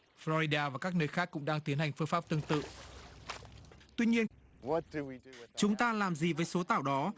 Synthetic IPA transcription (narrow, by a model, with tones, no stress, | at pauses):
flɔ˧ɾi˧ɗaː˧vaː˨˩kaː˦˥k̚nəː˧jxaː˦˥k̚ːʊ̰˧˥ŋ͡mɗaː˧ŋt̪i˨˦ənha˨˩ŋ̟fɨ˧əfaː˦˥p̚t̪ɨ˧əŋt̪ɨ̰˧˨ | t̪wi˧ɲi˧ən | t͡ɕʊ˨˦ŋ͡mt̪aː˧laː˨˩mzi˨˩vəː˨˦jso˨˦t̪aː˧˩wɗɔ˨˦